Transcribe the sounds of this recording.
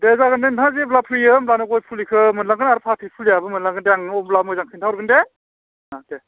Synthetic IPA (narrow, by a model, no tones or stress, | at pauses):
dezaɡɯndentʰaziblapʰɾijɯmblanɯɡɔjpʰulikʰɯmɯnlaŋɡɯnaɾpʰatʰipʰuljabɯmɯnlaŋɡɯndeaŋɯɔmblamɔzaŋkʰɯntʰawɾɡɯnde | nate